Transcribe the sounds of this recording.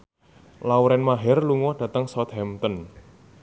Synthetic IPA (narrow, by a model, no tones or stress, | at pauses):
lauɾɛnmaɦɛrluŋɔɖ̥ä̤t̪əŋsɔt̪̚hɛmt̪ɔn